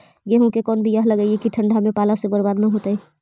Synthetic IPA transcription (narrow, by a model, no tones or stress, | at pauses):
ɡeɦũkekɔːnbʱijɐɦlɐɡaiekiʈʰə̃ɳɖʱamẽpaːlasebɐɾbaːd̪naɦoːt̪aɦɛː